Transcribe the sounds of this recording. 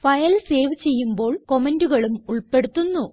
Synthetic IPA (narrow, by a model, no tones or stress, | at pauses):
fɐjɐlse̞ːʋt͡ɕe̞jːumbo̞ːɭko̞menduɣɐɭumuɭpe̞ɽut̪ːunːu